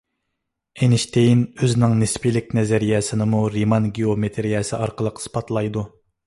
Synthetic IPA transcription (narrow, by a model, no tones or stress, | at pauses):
enɪʃt̪ʰejinøznɪŋnɪspʰilɪk̚ʲnɛzɛɾijɛsɪnɪmuɾimɑnɡʲiomet̪ʰeɾijɛsɪʔɑɾqəlˠəqspʰɑt̪lˠɑjd̪u